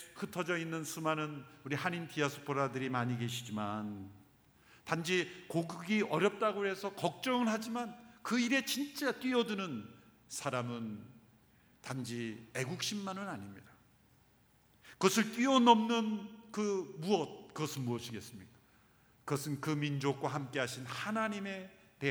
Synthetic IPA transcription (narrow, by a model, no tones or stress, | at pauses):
kɯtʰʌd͡ʑʌinːɯnsʰumanɯnuɾihanintʰiasʰo̥pʰoɾadɯɾimaɲiɡe̞ɕʰid͡ʑiman | tand͡ʑikoɡɡiʌɾjʌp̚t͈aɡoɦe̞sʰʌkʌk̚t͡ɕ͈ʌŋɯɭɦad͡ʑimankɯiɾe̞t͡ɕint͡ɕ͈et͈wɥiʌdunɯn | sʰaɾamɯn | tand͡ʑie̞ɡuk̚ɕ͈ʰimːanɯnaɲimɲid̥a | kɯɡʌsʰɯɭt͈wiʌnʌmnɯnkɯmuʌt̚kɯɡʌsʰɯnmuʌɕʰiɡe̞s͈ɯmɲik͈ḁ | kɯɡʌsʰɯnkɯmind͡ʑok̚k͈waɦamk͈e̞ɦaɕʰinhanaɲime̞ | te